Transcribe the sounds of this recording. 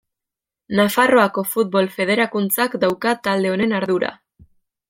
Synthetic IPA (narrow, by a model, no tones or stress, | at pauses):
nafaro̞ako̞fut̪̚bo̞lfe̞ð̞e̞ɾakunt͡sakd̪awkat̪ald̪e̞o̞ne̞naɾðuɾa̰